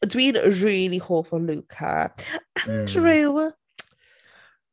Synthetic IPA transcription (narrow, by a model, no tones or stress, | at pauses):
dwiːnɹiːlihoːfɔluːkʰa̰andɹɪw